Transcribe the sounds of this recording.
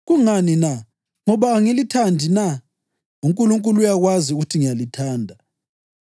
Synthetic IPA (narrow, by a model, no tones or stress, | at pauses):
ɣuŋanina | ŋɔβaŋilitʰandʱina | uŋkʼuluŋkʼulujaɣwaziuɣutʰiŋijalitʰaːndʱa